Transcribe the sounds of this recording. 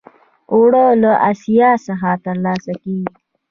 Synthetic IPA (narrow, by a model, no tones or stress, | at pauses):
oɽəlaʔasijɑsaxat̪əɾlɑsakeɡi